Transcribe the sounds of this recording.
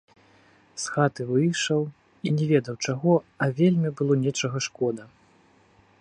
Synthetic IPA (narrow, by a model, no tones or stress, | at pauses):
sxat̪ɨvɨjʂɐw | inʲɛvʲɛd̪ɐwt͡ʂaɣɔɐvʲelʲmʲibɨlˠɔnʲɛt͡ʂɐɣɐʂkɔd̪ɐ